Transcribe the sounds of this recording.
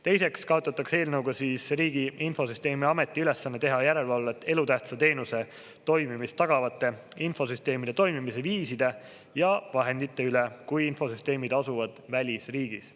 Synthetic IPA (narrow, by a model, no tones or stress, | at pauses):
t̪e̞jse̞kskɑot̪ːˑɑt̪ːˑɑkse̞ːlnɤwɡ̥ɑsiːsriːɡ̥iinfo̞syst̪e̞ːmiɑme̞t̪ːˑiyle̞sːɑnːet̪e̞ɦɑjæɾe̞lvɑlve̞t̪ːe̞lut̪æht̪sɑt̪e̞ːnuse̞ | t̪o̞jmimist̪ːɑɡ̥ɑvɑt̪ːˑe̞info̞syst̪e̞ːmid̪̥e̞t̪o̞jmimis̬e̞viːsid̪̥e̞ | jɑvɑɦe̞nd̪̥it̪ːe̞ylekujinfo̞syst̪e̞ːmid̪̥ɑsuvɑd̪̥vælʲisriːɡ̥is